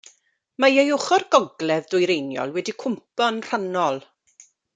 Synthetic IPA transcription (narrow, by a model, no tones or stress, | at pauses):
majejʊχɔrɡɔɡlɛvdʊjɾejnjɔ̰lˠwɛdikʰʊmpɔnr̥anɔlˠ